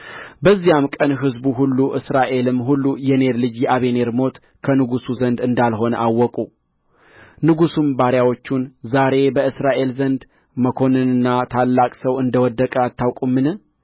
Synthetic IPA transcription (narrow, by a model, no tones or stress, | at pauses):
bəzːijamkʼənɦɨzbuɦulːuʔɨsɾaʔe̞lɨmɦulːujɛne̞ɾlɨd͡ʒjɛʔaβe̞ne̞ɾmo̞t̪ | kʰənɨɡusuzənd̪ɨnd̪alɦo̞nə̰ʔawːɔkʼu | nɨɡusumbaɾjawo̞t͡ʃːunzaɾe̞bəɨsɾaʔe̞lzənd̪ | məkʰo̞nɨnɨnːat̪ʰalːakʼsəwɨnd̪əwɔd̪ːəkʼəat̪ːawkʼumːɨnɨ